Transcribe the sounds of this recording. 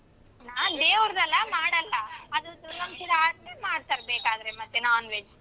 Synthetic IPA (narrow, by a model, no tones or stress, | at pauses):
naːnd̪eːʋɐɾd̪ɐlːɐmaːɽɐlːɐɐd̪ut̪ɾuɡɐmsid̪ɐaːɾnemaːɽt̪ɐɾbeːkaːd̪ɐɾemɐt̪ːenaːnʋeːd͡ʒ